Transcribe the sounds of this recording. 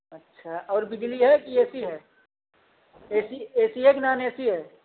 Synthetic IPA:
ɐtːʃʰaʔɔːɾbɪd͡ʒliɦɛkieːsiɦɛː | eːsieːsieːknaːneːsiɦɛː

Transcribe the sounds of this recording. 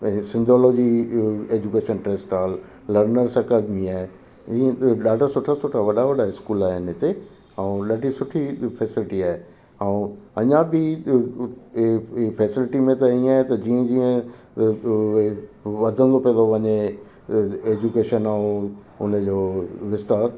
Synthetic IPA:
sɪ̃nd̪ʱɔːloːd͡ʑieːd͡ʑukeːʃənʈɾeːsʈaːlː | ɐɾnəɾsɐkəd̪mĩaːɦe | ĩːɗaːɖʱasʊʈʰasʊʈʰaʋɐɗaʋɐɗaɪskuːlaːɦeɪnɦɪt̪e | ãũɗaːɖʱisʊʈʰifɛːsɪlɪʈiaːɦe | ãũɐɲãbɪ | feːsɪlɪʈimẽt̪ɐĩaːɦet̪ɐd͡ʑiːə̃d͡ʑiːə̃ | ʋɐd̪ʱə̃nd̪opĩə̃nd̪oʋɐɲe | eːd͡ʑukeːʃənaːũ | ʊ̰nə̆d͡ʑoːʋɪst̪aːɾ

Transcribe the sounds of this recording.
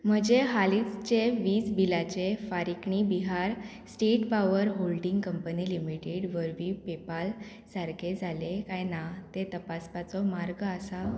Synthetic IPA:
m̤əd͡ʑeɦalit͡st͡ɕeʋiːt͡sbilat͡ɕefaɾikɳibiɦaɾ | sʈeʈpaʋəɾɦolɖĩŋɡkəmpənilimiʈeɽʋəɾʋiːpepal | saɾked͡zʱalekajnat̪et̪əpaspat͡sɔmaɾɡasa

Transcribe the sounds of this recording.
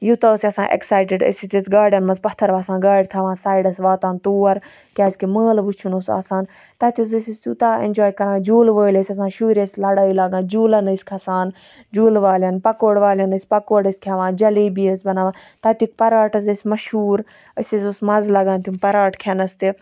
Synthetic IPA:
jut̪ɐsʲɐsã̰ːʔḛksaːjʈɪɖə̰sit͡ʃisɡaːɾɖɐnmɐnzpɐt̪ʰːɐɾʋaːsãːɡaːɽt̪ʰaʋãːsaːjɖɐsʋaːt̪aːnt̪uːɐɾ | kʲaːskiməːlʋut͡ʃʰunosa̰ːsaːn | t̪aːt̪ʰʲius̬ɐsisut̪aːḛnʲd͡ʒoːjkɐɾãːd͡ʒuːlʋəːlesʲɐs̬ãːʃuːɾʲeslɐɽaːilaɡãːd͡ʒuːlɐnɐskʰʲɐsaːn | d͡ʒuːlʋaːlʲɐnpɐkoːɽʋaːlɐnəsʲpɐkoːɽɐsʲkʰaʋãːd͡ʒɐliːbiːəsʲbɐnaːʋãː | t̪ɐt̪uk̚pɐɾaːʈɐsɐsʲmɐʃhuːɾ | əsizusmɐzlɐɡãːnt̪umpɐɾaːʈkʰɐnɐst̪e

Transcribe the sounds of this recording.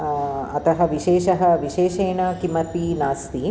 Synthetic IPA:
ɐt̪ɐɦɐʋiʃeːʃɐɦɐʋiʃeːʃeːɳɐkimɐt̪inaːst̪i

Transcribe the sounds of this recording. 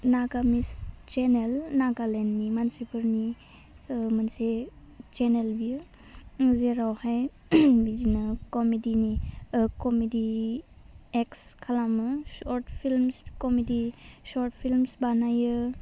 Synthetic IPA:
naɡamist͡ʃenelnaɡalenːimansebɯɾni | manse | t͡ʃenelbi | zeɾawhaj | bid͡ʒinakɔmedinikɔmedi | ekskʰalamɯsɔɾtpʰilmskɔmedisɔɾtpʰilmsbanajɯ

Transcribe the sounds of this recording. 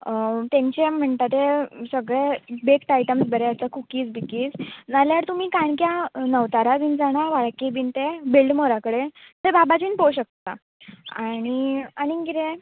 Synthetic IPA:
t̪ẽɲt͡ɕem̤əɳt̪at̪esəɡɭebekʈajʈəmsbəɾeəsakukiːt͡sbikiːd͡znaljaɾt̪um̤iːkaɳkjanəʋt̪aɾabiːnd͡zaɽ̃aʋaɭkibiːnt̪ebilɖmoɾakəɽet̪ebabad͡ʑiːnpoɕək̚t̪a | aɽ̃iaɽ̃iŋɡiɾe

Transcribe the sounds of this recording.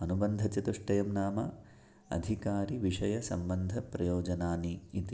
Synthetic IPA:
ɐnubɐnd̪ʱɐt͡ʃɐt̪uʂʈɐjɐmnaːmɐ | ɐ̰d̪ʱikaːɾiʋiʂɐjɐsɐ̰mbɐnd̪ʱɐpɾɐjoːd͡ʒɐnaːniːt̪i

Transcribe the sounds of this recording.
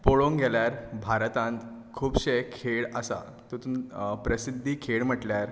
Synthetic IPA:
poɭoŋɡʱɛljaɾbʱaɾt̪ãnt̪kʰuːbɕekʰeɭəsa̰ | t̪ut̪unpɾəsid̪ʱːiːkʰeɭm̤əʈljaɾ

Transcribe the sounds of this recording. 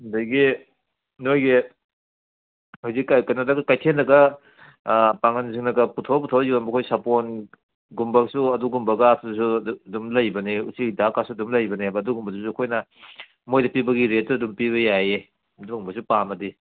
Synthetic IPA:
ndɐjɡi | nojɡi | hozikːakɐnadɐɡɐkajtʰenɐɡɐ | paŋɐnziŋnɐɡɐputʰoputʰowziwanbɐkʰojsapon | ɡumbɐksuɐduɡumbɐɡatʰusudumlɐjbɐneṵsiɡdakasuɐdumlɐjbɐnebɐːduɡumbɐdusuɐkʰojnɐ | mojdɐpibɐɡiɾet̚tuɐdumpiβɐjaje | ɐduɡumbɐsupamɐdi

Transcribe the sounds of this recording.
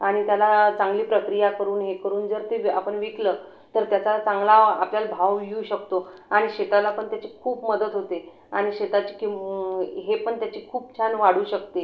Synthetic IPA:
aɽ̃it̪jalat͡saŋɡliːpɾəkɾijakəɾuːnɦekəɾuːnd͡zəɾt̪eapəɳʋikləː | t̪əɾt̪jat͡sat͡saŋɡlaa̰pljalbʱawʋiuːɕək̚t̪oaɽ̃iɕet̪alapəɳt̪jat͡ɕiːkʰuːpməd̪ət̪ɦot̪e | aɽ̃iɕet̪at͡ɕi̥ki | ɦepəɳt̪jat͡ɕiːkʰuːp̚t͡ɕʰanʋaɽ̤uːɕək̚t̪e

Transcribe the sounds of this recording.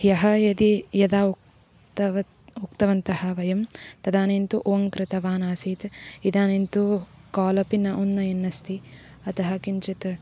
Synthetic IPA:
jɐɦɐjɐd̪ijɐd̪aː | t̪ | ukt̪ɐʋɐnt̪ɐhɐʋɐjɐmt̪ɐd̪aːnint̪uʔoːɐŋkɾɪt̪ɐʋaːnaːsiːt̪id̪aːnint̪ukaːlɐpinɐʔunːɐjɐnːɐst̪iɐt̪ɐɦɐkint͡ʃɐt̪

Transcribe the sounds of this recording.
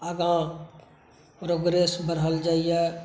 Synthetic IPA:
əɡã | pɾoːɡɾeːsbəɾɦəld͡ʒaːije

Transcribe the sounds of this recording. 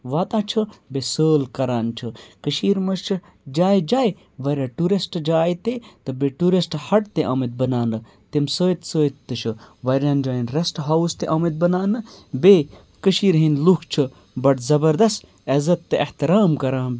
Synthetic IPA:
ʋaːt̪ãːt͡ʃʰɨbesəːlkɐɾaːnt͡ʃʰɨkəʃiːɾmɐt͡ʃʰɨ | d͡ʒaːjd͡ʒaːj | ʋɐɾʲãːʈuɾisʈd͡ʒaːjt̪et̪ɨbeːʈuɾisʈhɐʈt̪eʔaːmɐt̪̚bɐnaːnɨ | t̪imsoːjt̪soːit̪ːɨʃʰɨʋɐɾʲãːnd͡ʒaːjinɾesʈɦɐwst̪eʔɐːmit̪̚bɐnaːnɨbeː | kəʃiːɾɦinlukʰt͡ʃʰɨ | bɐʈzɐbɐɾd̪ɐst | ezɐt̪ːeʔɐht̪iɾaːmkɐɾãːn

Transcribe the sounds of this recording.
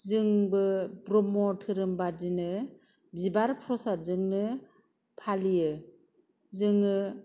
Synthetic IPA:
zɯŋbɯbɾɔmɔtʰɯɾɯmbadinɯ | bibaɾpʰɾɔsazɯŋnɯ | pʰalijɯ | zɯŋɯ

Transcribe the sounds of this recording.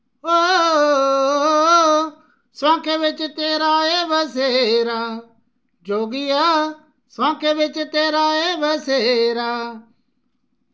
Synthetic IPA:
ɦoː | sãːkʰeːʋɪt͡ʃt̪eːɾaːeːʋəseːɾaː | d͡ʒʱoːɡiːaː | sãːkʰeːʋɪt͡ʃt̪eːɾaːeːʋəseːɾaː

